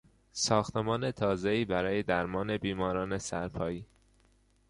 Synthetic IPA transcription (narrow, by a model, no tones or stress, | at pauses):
sɒːxt̪e̞mɒːne̞t̪ʰɒːze̞iːbæɾɒːje̞d̪æɾmɒːne̞biːmɒːɾɒːne̞sæɾpʰɒːjiː